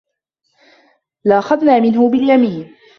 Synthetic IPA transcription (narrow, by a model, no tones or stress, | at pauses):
laʔaxaðnaːmɪnɦʊbɪljamiːn